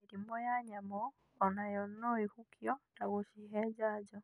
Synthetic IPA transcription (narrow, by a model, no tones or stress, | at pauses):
iɾimɔjaɲamɔ | ɔnajɔnnɔihukʰjɔtaɣoʃiɦɛd͡ʒaːd͡ʒɔ